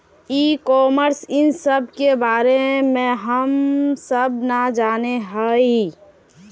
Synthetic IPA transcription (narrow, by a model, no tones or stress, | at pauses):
iːkɔːməɾsɪnsəb̚ʱkebaːɾemẽɦəmsəbnad͡ʒaːneɦəi